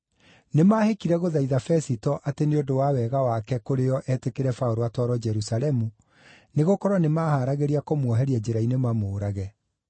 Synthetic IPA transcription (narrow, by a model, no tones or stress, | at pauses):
nemaːhekiɾɛɣoðaiðafɛsitɔʔateneodowawɛɣawakɛkoɾejɔʔɛtekeɾɛfaoɾoatwaɾɔd͡ʒɛɾusalɛmu | neɣokɔɾɔnemaːhaɾaɣeɾiakomwɔɦɛɾiad͡ʑeɾainemamoːɾaɣɛ